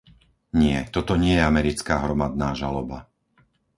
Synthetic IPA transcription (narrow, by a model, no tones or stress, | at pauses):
ɲɪɛt̪ɔt̪ɔɲɪɛjɛamɛɾit͡skaːɦɾɔmad̪̚naːʒalɔba